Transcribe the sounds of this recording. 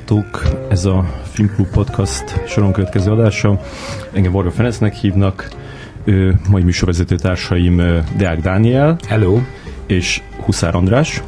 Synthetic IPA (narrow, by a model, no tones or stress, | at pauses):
t̪oːkɛzɒfilmklubpo̞t̪kʰɒst̪ʃo̞ɾo̞ŋkøvɛt̪kɛzøːɒd̪aːʃɒ | ɛŋɡɛmvorɡɒfɛɾɛnsnɛkhiːvnɒk | øːmɒimyːʃo̞rɾvɛzɛt̪øːt̪aːrʃɒjimd̪ɛaɡd̪aːniɛlhɛloː | eːʃ | husa̰ːɾʔɒnd̪raːʃ